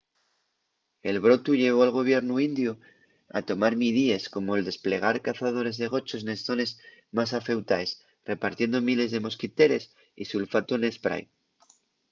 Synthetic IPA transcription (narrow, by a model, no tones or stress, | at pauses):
e̞lβɾo̞t̪uʝe̞β̞o̞alɣ̞o̞β̞je̞ɾnuind̪ju | a̰t̪o̞maɾmiðie̞sko̞mo̞e̞ld̪e̞sple̞ɣ̞aɾkaθað̞o̞ɾe̞zðe̞ɣ̞o̞t͡ʃo̞sne̞sθo̞ne̞z | mas̬afe̞wt̪aes | re̞paɾt̪je̞nd̪o̞mile̞zðe̞mo̞skit̪e̞ɾe̞s | ḭsulfat̪one̞spɾa̰j